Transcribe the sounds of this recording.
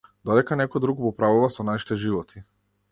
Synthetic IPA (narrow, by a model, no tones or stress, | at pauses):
d̪ɔd̪ɛkanɛkɔjd̪ɾuɡbɔpɾavuvasɔnaʃi̥t̪ɛʒivɔt̪ʰi